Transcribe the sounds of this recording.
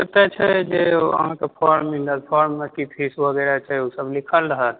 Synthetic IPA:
ət̪ɛt͡ʃʰɛd͡ʒeə̰ɦãkepʰɔːɾmindəɾpʰɔɾmːekip̪ʰisʋʱəɡɛɾat͡ʃʰausəblikʰəlɾəɦə

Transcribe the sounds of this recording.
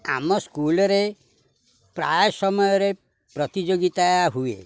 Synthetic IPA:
a̰mɔskulɔɾe | pɾajsɔmɔjɔɾe | pɾɔt̪id͡ʒoɡit̪aaɦuḛ

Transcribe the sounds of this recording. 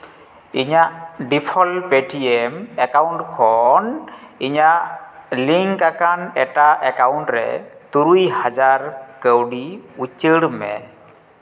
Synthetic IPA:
iɲaʔɖipʰɔlpeʈiɛmɛkawɳʈkʰɔniɲaʔliŋkakanɛʈaʔɛkawnʈɾɛ̰t̪uɾujhad͡ʒaɾkəwɖiut͡ʃəɽmɛ̰

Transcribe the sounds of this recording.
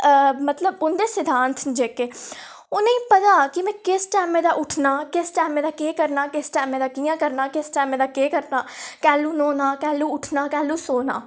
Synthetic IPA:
mət̪ləbʊnd̪eːsɪd̪ʱãːnt̪ʰd͡ʒeːkeː | ʊnẽːĩːpət̪aːkɪmɛ̃ːkɪsʈɛːmẽːd̪aːʔʊʈʰnaːkɪsʈɛːmẽːd̪aːkeːkəɾnaːkɪsʈɛːmẽːd̪aːkijãːkəɾnaːkɪsʈɛːmẽːd̪aːkeːkəɾt̪aːkɛːlũːnoːnaːkɛːluːʊʈʰnaːkɛːlũːsoːna̰ː

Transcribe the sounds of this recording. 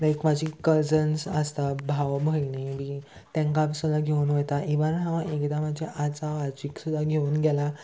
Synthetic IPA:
lajkmad͡ʑʱikəd͡zənsəst̪abʱaʋbʱəjnimiː | t̪ãŋkapsud̪aɡʱeunʋət̪aʔiʋaɾɦãʋãʔekd̪amad͡ʑʱeʔat͡saʋat͡ɕiksud̪ʱːaɡʱeuːnɡɛla

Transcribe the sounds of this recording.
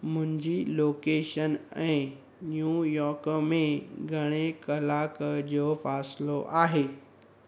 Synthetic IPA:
mʊ̃ɦɪ̃ɲd͡ʑiloːkeːʃənɛ̃ː | njuːjɔːɾkmẽɡʱɐɽ̃ekɐlaːkd͡ʑoːfaːsloʔaːɦeː

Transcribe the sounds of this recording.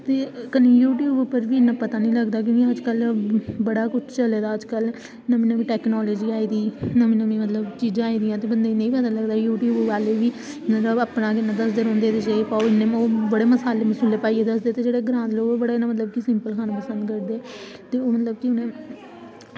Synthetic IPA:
t̪eːkəniːjuːʈjuːbpəɾʋiːnãːpət̪aːnĩːləɡd̪aːk̬jõːkiəd͡ʒkəlbəɽaːkʊt͡ʃʰt͡ʃəleːd̪aːəd͡ʒkəl | nəmĩːnəmĩːʈɛːknɔːləːd͡ʒiːaːiːd̪iːnəmĩːnəmĩːmət̪ləbt͡ʃiːd͡ʒãːaːiːd̪ijãːt̪eːbənd̪eːnẽĩːipət̪aləɡd̪aːjuːʈjuːbʋaːleʋiː | mət̪ləbaːpnãːkɪnːãːd̪əsd̪eːɾõːnd̪eːt̪eːt͡ʃəepaoɪnːẽːmoːbəɽeːməsaːleːməsʊleːpaːieːd̪əsd̪eːt̪eːd͡ʒeːɽeːɡɾãːd̪loːbəɽaːnãːmət̪̬ləb̚kisɪmpəlkʰaːnãpəsə̃nd̪kəɾd̪eː | t̪eːoːmət̪ləb̚kɪʊnẽː

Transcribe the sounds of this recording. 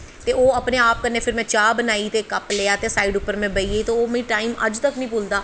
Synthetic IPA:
t̪eːoːəpneːaːp̚kəɾneːpʰɪɾmɛ̃ːt͡ʃaːbənaːiːt̪eːkəpleːaːt̪eːsaːiːɖʊpːəɾmɛ̃ːbəiːeːit̪õoːmĩːʈaːiːmə̰d͡ʒt̪əknĩːpoːld̪aː

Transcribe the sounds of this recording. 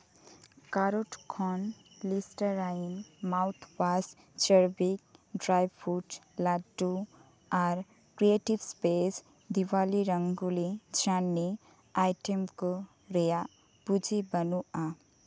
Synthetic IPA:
kaɾoʈkʰɔnlisʈəɾanmaʊt̪ʰbas | t͡ʃəɾbik̚ɖɾajbpʰuʈlaʈːu | aɾ | kɾieʈibspes | d̪iwaliɾəŋɡulid͡ʒanːi | ajʈemko | ɾeja | bud͡ʒʱibənua

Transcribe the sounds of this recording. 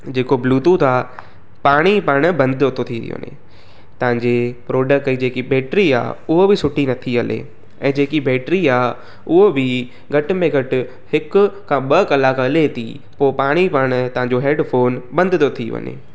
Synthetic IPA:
d͡ʑeːkobluːt̪ut̪ʰaː | paːɽ̃ipaɾɽ̃ʊ̆bɐ̃nd̪ʱɪd̪ot̪ʰot̪ʰiɾḭjo̰nḛ | t̪ɐʋɪ̃ɲd͡ʑepɾoːɖək̚ʈid͡ʑeːkibeːʈɾia̰ːʊɦobɪsʊʈinɐt̪ʰiɐlḛ | ɛ̃ːd͡ʑeːkibɛːʈɾiaːɦ | ʊɦobɪ | ɡʱɐʈʊ̆mẽɡʱɐʈɪ̆ | hɪkʊ̆kʰãːɓɐkɐlaːkalet̪ʰḭ | poːpaːɽ̃ipɐɾɽ̃t̪ɐʋãɲd͡ʑoɦeːɖfoːnbɐ̃nd̪ʱɪd̪ot̪ʰiʋɐ̰ɲḛ

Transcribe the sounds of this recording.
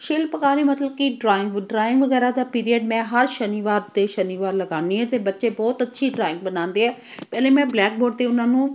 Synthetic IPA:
ʃeːlpəkaːɾiːmət̪ləbkiɖɾaːɪ̃ŋɡɖɾaːɪ̃ŋɡʋəɡɛːɾaːd̪aːpiːɾiəɖmɛ̃ːɦəɾʃəniːʋaːɾt̪eːʃəniːʋaːɾləɡãːneːɛ̃ːt̪eːbətːʃeːbɔːt̪ətːʃʰiːɖɾaːɪ̃ŋɡbənãːnd̪eːɦɛː | pɛːlẽːmɛ̃ːblɛːk̚boːɾɖ̚t̪eːʊnãːnũː

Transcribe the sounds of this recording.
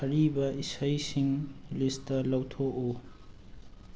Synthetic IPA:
ɐɾibɐisɐjsiŋlistɐlɐwtʰoʔo

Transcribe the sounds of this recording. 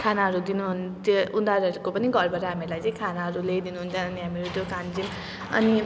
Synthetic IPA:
kʰanaɦʌɾud̪inuɦunt̪ʌund̪aɾɦʌɾukopʌniɡʌɾbʌɾʌɦamilajt͡sʌ̃j̃kʰanaɦʌɾulejd̪inuɦunt͡sʰʌnʌniɦamiɾot̪jokand͡zim | ʌ̰ni

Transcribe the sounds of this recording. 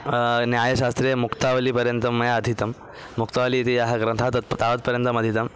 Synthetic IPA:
njaːjɐɕast̪ɾemukt̪aʋɐliːpɐɾjɐnt̪ɐmːɐjaːd̪ʱit̪ɐmː | ukt̪aʋɐliːt̪ijaɦɐɡɾɐt̪ʰat̪ɐt̪pt̪aʋɐt̪pɐɾjənt̪ɐmɐd̪ʱit̪ɐm

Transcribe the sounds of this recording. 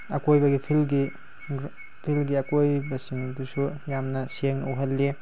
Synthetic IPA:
ɐkojbɐɡipʰilɡi | pʰilɡiɐkojbɐsindusujamnɐseŋnuɦɐlːi

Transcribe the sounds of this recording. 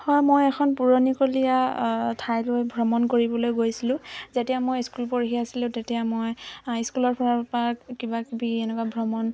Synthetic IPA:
hɔjmojɛkʰɔnpuɹonikolijatʰajlojbʱɹɔmɔnkoɹibɔlojɡojsilʊ̃zetɛjamojskulpɔɹixiasilʊ̃ʊtetɛjamojiskulɔɹpʰɔɹapakibakibiɛnɛkwabʱɹɔmɔn

